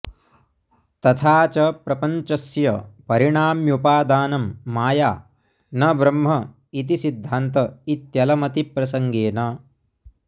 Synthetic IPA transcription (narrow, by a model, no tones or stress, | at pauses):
t̪ɐt̪ʰaːt͡ʃɐpɾɐpɐɲt͡ʃɐsjɐpɐɾiɳaːmjupaːd̪aːnɐmːaːjaː | nɐbɾɐmɦɐ | it̪̬isid̪ʱːaːnt̪ɐit̪jɐlɐmɐt̪ipɾɐsɐŋɡeːnɐ